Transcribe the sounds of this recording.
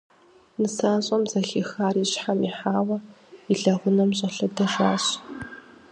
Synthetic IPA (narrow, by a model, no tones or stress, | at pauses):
nɨsaːɕʼɐmzɐxiːxaːriːɕħamiħaːwɐiɮɐʁʷʊnɐmɕʼɐɬɐdɐʒaːɕ